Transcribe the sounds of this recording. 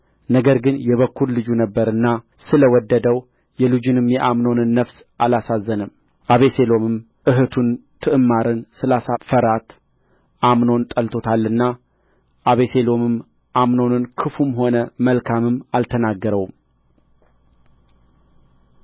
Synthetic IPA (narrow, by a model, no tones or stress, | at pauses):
nəɡəɾɡɨnjɛβəkːuɾlɨd͡ʒunəbːəɾɨnːa | sɨləwɔd̪ːəd̪əw | jɛlɨd͡ʒɨnɨmjɛʔamno̞nɨnːəfs | ʔalasazːənɨm | ʔaβe̞se̞lo̞mɨm | ɨɦɨt̪ʰunt̪ʰɨʔɨmːaɾɨnsɨlasafəɾat̪ | ʔamno̞nt̪ʼəlt̪ʰo̞t̪ʰalːɨnːa | ʔaβe̞se̞lo̞mɨm | ʔamno̞nɨnkʰɨfumho̞nəməlkʰamɨmːalt̪ʰənaɡːəɾəwm